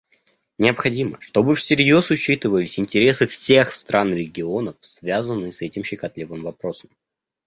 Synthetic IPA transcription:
nʲɪəpxɐdʲimə̰ʂt̪o̞bɨfsʲɪɾʲjo̞sʊt͡ɕit̪ɨvəlʲɪsʲɪnʲtʲɪɾʲe̞sɨfsʲe̞xst̪ɾʔanɾʲɪɡʲɪo̞nəfsvʲazənːɨsɛtʲɪmɕɪkɐt̪lʲivɨmvɐpɾo̞səm

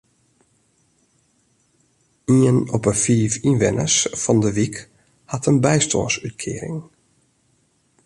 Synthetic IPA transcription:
iənɔpəfiːfinʋɪnə̰sfɑndəʋik | hɑtʰənbɛjsto̰ːnsytkʰɪːəɾɪ̰ŋ

